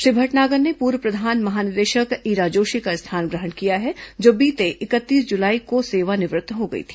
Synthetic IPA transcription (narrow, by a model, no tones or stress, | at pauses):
ʃɾɪbʱəʈnaːɡəɾnepuːɾwəpɾɐd̪ʱaːnmɐɦaːnɪd̪eːʃəkiːɾaːd͡ʒoːʃikaɪst̪ʰaːnɡɾəɦəɽ̃kijaɦɛd͡ʒoːbiːt̪eʔɪkət̪ːiːsd͡ʒʊlaːikoseːʋanɪʋɾɪt̪ʰːɦoɡɐḭt̪ʰi̥